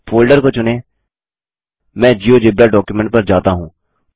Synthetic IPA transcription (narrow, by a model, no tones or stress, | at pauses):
pʰoːlɖəɾkoːt͡ʃʊneː | mɛ̃ːd͡ʒiːoːd͡ʒɪbɾaːɖɔːkjumɛ̃ɳʈ̚pəɾd͡ʒaːt̪aːɦũː